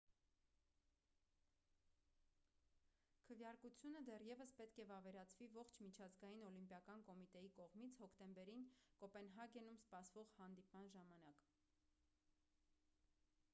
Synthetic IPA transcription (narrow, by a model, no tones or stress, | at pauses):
kʰəvjɑɾkut͡sʰjunəd̪ɛrjɛvəspɛt̪kʰɛvɑvɛɾɑt͡sʰvivɔχt͡ʃʰmit͡ʃʰɑzɡɑjinɔlimpjɑkɑnkɔmit̪ɛjikɔʁmit͡sʰhɔkʰt̪ɛmbɛɾinkɔpɛnɦɑɡɛnumspɑsvɔʁhɑnd̪ipmɑnʒɑmɑnɑk